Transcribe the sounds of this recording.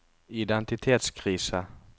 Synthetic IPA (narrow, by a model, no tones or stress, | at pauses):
ɪd̪ɛnt̪ɪt̪ʰeːt̪skʰɾiːsə